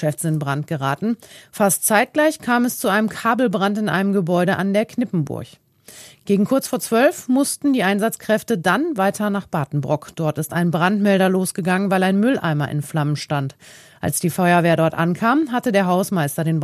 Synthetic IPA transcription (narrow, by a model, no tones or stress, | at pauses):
ɛfz̥ɪntb̥ʁantɡ̥əʁaːtn̩fastt͡saɪt̚ɡ̥laɪçkʰaːmɛst͡suʔaɪnəmkʰaːbl̩bʁantɪnʔa̰ɪnəmɡəbɔʏɾəʔandeːɐkʰnɪpm̩bʊ̰ɐç | ɡ̥eːɡŋ̩kʰʊɐt͡sfoːɐt͡sv̥œlfmʊstn̩diːʔaɪnzat͡skʁ̥ɛftədanvaɪtʰɐnaːχb̥aːtn̩bʁʊkd̥ɔɐtɪstaɪnbʁantmɛldɐloːsɡ̥əɡaŋənvaɪlaɪnmʏlʔa̰ɪmɐ̰ʔɪ̰nflamənʃtant | ʔa̰lsd̥iːfɔʏɐveːɐdɔɐtʔa̰nkʰaːmɦatədeːɐɦaʊsmaɪstɐdeːn